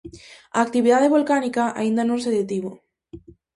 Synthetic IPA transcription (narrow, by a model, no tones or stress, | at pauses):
a̰ːk̚t̪iβiðaðeβolkanikaʔa̰ĩnd̪anõŋs̬eðet̪iβo